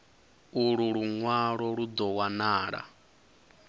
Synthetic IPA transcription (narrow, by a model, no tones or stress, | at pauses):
uɺuɺuŋwaɺɔɺud͡zɔwanaːɺa̰